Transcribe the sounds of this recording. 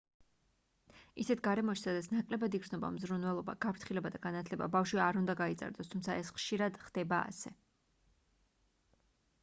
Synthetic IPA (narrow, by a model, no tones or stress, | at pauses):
isɛt̪ʰɡaɾɛmɔʃi̥sad̪at̪sʰnakʼlɛbad̪iɡɾznɔba̰mzɾunvɛlˠɔba̰ɡ̥apʰɾt̪ʰχilɛbad̪aɡanat̪ʰlɛba̰bafʃwiaɾund̪aɡaiza̰ɾd̪ɔst̪ʰumt̪sʰaɛsχʃiɾad̪χd̪̥ɛbaa̰sɛ